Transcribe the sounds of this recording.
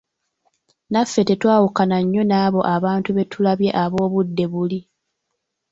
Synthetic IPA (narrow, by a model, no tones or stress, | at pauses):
nafːe̞te̞twaːwukanaɲːo̞naːβo̞ʔaβaːntuβe̞tʰulaβje̞ʔaβo̞ːβudːe̞βuli